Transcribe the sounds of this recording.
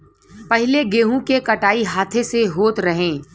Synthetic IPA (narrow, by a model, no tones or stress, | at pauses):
pɐɦɪleɡeːɦũkekɐʈaːiɦaːt̪ʰeseɦoːt̪ɾɐɦẽː